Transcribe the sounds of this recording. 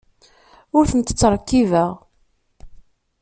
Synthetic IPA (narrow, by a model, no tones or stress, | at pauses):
ʊɾθənt̪ːə̥t͡sːəɾˤkːivəʁ